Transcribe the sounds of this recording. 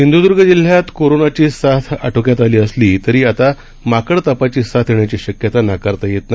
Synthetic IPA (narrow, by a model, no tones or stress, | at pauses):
ind̪ʱud̪uɾɡʱəd͡ʑil̤jat̪koɾonat͡ɕiːsat̪ʰa̰ʈʰokjat̪aliːəsliːt̪əɾiːat̪a | makəɽt̪əpat͡ɕiːsat̪ʰjeɳjat͡ɕiːɕəkjət̪anakaɾt̪ajet̪na